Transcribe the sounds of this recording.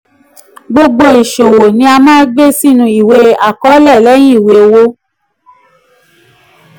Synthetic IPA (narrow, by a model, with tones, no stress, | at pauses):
ɡ͡bo˧ɡ͡bo˧i˨ʃo˨wo˨nĩ˧˦a˧mãː˦ɡ͡be˦si˦nũ˧i˨we˧˦a˨kɔ˨˦lɛ˦˨lɛ˨˦j̃ĩ˦i˦˨we˨wo˧